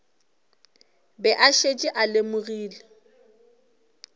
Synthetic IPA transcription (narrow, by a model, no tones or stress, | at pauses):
bɛʔaʃet͡ʃʼiʔalɪmʊɣiːle